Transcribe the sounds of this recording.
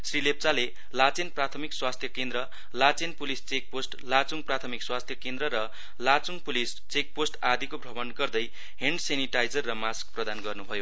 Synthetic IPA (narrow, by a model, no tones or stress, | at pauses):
srilep̚t͡sale | lat͡senprat̪ʰʌmikswast̪ʰjʌkend̪ɾʌ | lat͡senpulist͡sek̚posʈlat͡suŋɡprat̪ʰʌmikswast̪ʰjʌkend̪ɾʌɾʌ | lat͡suŋɡpulis | t͡sek̚posʈad̪ikobrʱʌbʌnɡʌrd̪ʌj | ɦeɳɖseniʈajd͡zʌrːʌmask̚prʌd̪anɡʌrnubʱʌjo